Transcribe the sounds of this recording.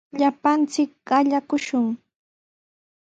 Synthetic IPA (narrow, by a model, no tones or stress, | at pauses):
ʎapant͡sɪk̚ɢɑʎakʊʃʊŋ